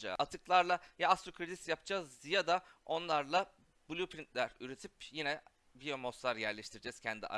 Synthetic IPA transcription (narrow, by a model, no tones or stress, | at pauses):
a̰at̪ʰɯklˠaɾlˠajaast̪ɾokʰɾid̪isjap̚d͡ʒazjad̪ao̞nlˠaɾlˠa | bulʲupʰɾint̪lʲæɾyɾe̞t̪ʰipjinɛ | vijomosaɾjæɾlʲɛʃt̪ʰiɾd͡ʒɛz̥cʰɛnd̪ḭʔa̰